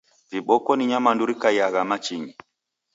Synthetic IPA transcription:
viɓɔkɔniɲamanduɾikajaɣamat͡ʃiɲi

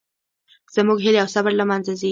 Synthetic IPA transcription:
z̥əmuɡɦɪleawsabəɾlamanzazi

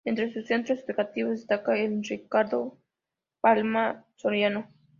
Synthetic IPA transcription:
ent̪ɾesusːent̪ɾoseðukat̪iβzest̪akaelrikaɾðo | palmasoɾjano

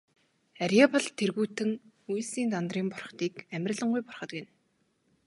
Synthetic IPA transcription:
aɾʲjapə̆ɮt̪ʰːerɣuːt̪ɘ̆ŋ | ujsiːnt̪ant̪riːmpʊrχt̪iːkæmʲɪrʲɮə̆ɴɢujpʊ̥rχə̆t̪ɡen

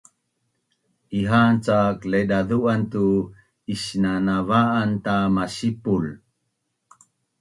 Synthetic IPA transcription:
iɦant͡sakledaðuantu | iɕnanavaːnt̪amaɕipul

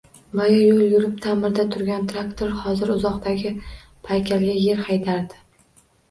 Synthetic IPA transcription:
bajɒjolˠjʊɾɪpt̪ʰamɪɾd̪at̪ʰʊɾɡʲant̪ʰɾakt̪ʰoɾhɒzɪɾʊzɒqt̪ʰaɡʲɪ | pʰajkʲʰalɡʲaje̞ɾhajt̪ʰaɾd̪ɪ̥

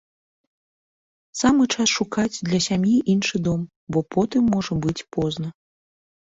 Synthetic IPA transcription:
samɨt͡ʂasʂukad͡zʲd̪lʲɐsʲamjiʔinʂɨd̪ɔm | bɔpʰɔt̪ɨmːɔʐɐbɨt͡sʲpɔznɐ

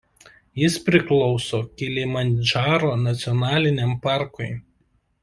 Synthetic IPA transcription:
jɪspʲɾʲɪklˠɔʊsoːkʲɪlʲɪmɐnʲd͡ʒɑːɾoːnɐt̪sʲɪɔnɑːlʲɪnʲɛmpɑˑɾkʊɪ

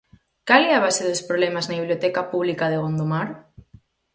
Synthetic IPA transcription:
kalɛaβasɪðʊspɾoβlɛmaznaβiβljot̪ɛkapuβlikaðeɣond̪omaɾ

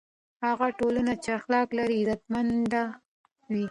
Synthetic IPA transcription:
haɣaʈolanat͡ʃeaxlɑklaɾiɾat̪mand̪a | wi

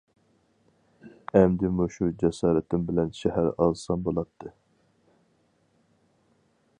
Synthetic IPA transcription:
ɛmd̪ɪmuʃud͡ʒɛsɑːɾɨt̪ʰɪmbɪlɛnʃɛhæɾɑːzɨsɑmbolˠɑt̪ʰːɨ

